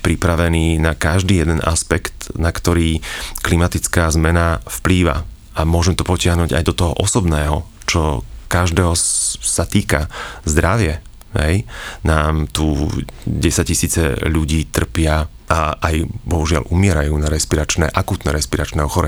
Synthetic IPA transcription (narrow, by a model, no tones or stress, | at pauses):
pɾipɾaʋɛniːnakaʒd̪iːjɛd̪ɛnʔa̰spɛkt̪nakt̪ɔɾiːklimat̪it͡skaːzmɛnafpliːʋa̰ | amʊɔʒɛmt̪ɔpɔcɪaɦnuːɟa̰jd̪ɔt̪ɔɦɔʔɔsɔbnɛːɦɔ | t͡ʃɔkaʒd̪ɛːɦɔsat̪iːkazd̪ɾaʋɪɛ | ɦɛjnaːmt̪u | ɟɛsac̚cisiːt͡sɛ̰ʎuɟiːt̪r̩pɪa | aʔajbɔɦuʒɪa̰lʔumɪɛɾajuːnaɾɛʃpiɾat͡ʃnɛʔakuːt̪nɛɾɛspiɾat͡ʃnɛːɔxɔɾɛɲ